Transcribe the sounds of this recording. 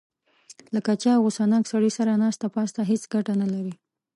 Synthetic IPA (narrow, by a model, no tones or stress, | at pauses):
lakat͡ʃɑawʊsanɑksaɽisaɾanɑst̪apɑst̪aɦet͡sɡaʈanalaɾi